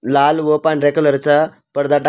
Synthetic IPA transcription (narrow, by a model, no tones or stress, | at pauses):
lalʋəpanɾekələɾt͡ɕa | pəɾd̪ʱaʈa